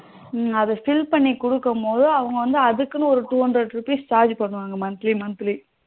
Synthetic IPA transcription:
ɐðɐfɪlpɐɳːikʊɽɯkːɐmpoːðɯɐʋɐŋɡɐʋɐnd̪ɯɐðɯkːɯnɯ̃ɔɾɯt̪uːʋɐndɾɐʈɾɯpːist͡ʃaːɾd͡ʒpɐɳːɯʋaːŋɡɐmɐnt̪limɐnt̪li

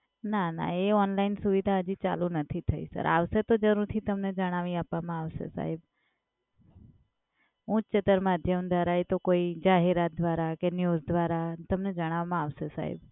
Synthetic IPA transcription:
nana̰eɔnlainsuʋid̪ʱaəd͡ʒit͡ʃa̰lũnət̪ʰit̪ʰəḭsə̰ɾʔa̰ʋset̪od͡ʒəɾuɾt̪ʰit̪əmned͡ʒəɽ̃aʋĩapʋamãaʋʃḛsa̰ɦib | ũt͡ʃt͡ʃet̪əɾmad̪ʱjəmd̪ʱaɾaet̪okoid͡ʒaɦeɾat̪̚d̪ʋaɾakenjuzd̪ʱʋaɾat̪əmned͡ʒəɽ̃aʋmãaʋsesa̰ɦḭb

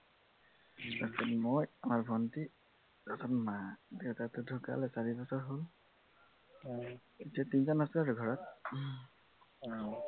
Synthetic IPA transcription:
tasɛnmojamaɹbʱɔnti | ɹɔtʰɔnmadewtatʊdʱuka̰lɛsaɹibɔsɔɹɦol | etiatinzɔnaskaɹɡʱɔɹɔt̚

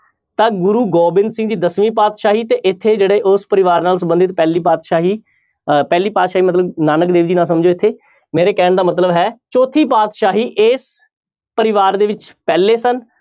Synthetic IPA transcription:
t̪ãːɡʊɾuːɡɔːbɪ̃nd̪sɪ̃ŋɡd͡ʒiːd̪əsmiːp̬aːt̪ʃaːɦiːt̪eːʔɪt̪ʰːeːd͡ʒeːɽeːʔʊspəɾɪʋaːɾnaːlsəbə̃nd̪it̪pɛːliːpaːt̪ʃaːɦiː | pɛːliːpaːt̪ʃaːɦiːmət̪̬ləbnaːnəkd̪eːʋd͡ʒiːnaːs̬əmd͡ʒoːɪt̪ʰːeː | meːɾeːkɛːɳd̪aːmət̪̬ləbɦɛːt͡ʃɔːt̪ʰiːp̬aːt̪ʃaːɦiːʔeːs | pəɾɪʋaːɾd̪eːʋɪt͡ʃpɛːleːsən

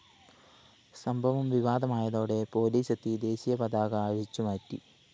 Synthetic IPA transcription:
sɐmbʱɐʋɐmʋiʋaːd̪ɐmaːjɐðo̞ːɽe̞po̞ːliːsɐt̪ːid̪e̞ːɕijɐpɐd̪aːɣɐaːɐʂit͡ɕːumɐtːi

